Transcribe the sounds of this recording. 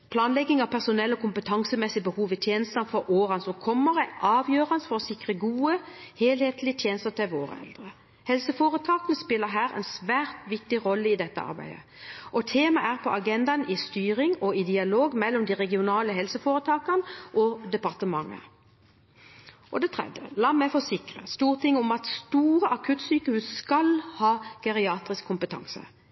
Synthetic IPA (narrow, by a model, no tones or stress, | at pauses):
pʰlɑːnlɛɡːɪŋɑʋpʰæʁsʊnɛlːɔkʊmpət̪ʰɑŋsəmɛsɪbəhuːʋɪt̪ʰjeːnəst̪ɑnfɔɾʔoːʁɑnsɔkʰɔmːəʁəʔɑːʋjøːʁɑnsfɔʁɔsɪkʁəɡuːə | heːlheːt̪lɪət̪ʰjeːnəst̪ət̪ʰɪlʋoːʁə̰ɛ̰ld̪ʁə | hɛlsəfoːʁət̪ʰɑːkənəspɪlːəɦæːʁɛ̰ɪnsʋæːʁt̪ʋɪk̚t̪ɪʁɔlːəɪd̪ɛt̪ːə̰ɑ̰ɾbæ̰ɪd̪ə | ʔɔt̪ʰeːmɑʔæʁpʰɔɑɡɛnd̪ɑnɪst̪yːɾɪŋɔɪd̪ɪɑloːɡmɛlːɔmd̪iʁɛɡɪʊnɑːləɦɛlsəfoːʁət̪ʰɑːkənʔɔd̪ɛpɑʁt̪əmɑŋːə̰ | ʔɔ̰d̪ɛt̪ʰʁɛ̰d̪jəlɑːmæfɔsɪkʁəst̪uːʁt̪ʰɪŋːʊmɑt̪st̪uːɾəʔɑkʰʉt̪syːkəhʉːsskɑlhɑːkɑʁɪɑːt̪ʁɪskʰːʊmpət̪ʰɑ̰ŋsə̰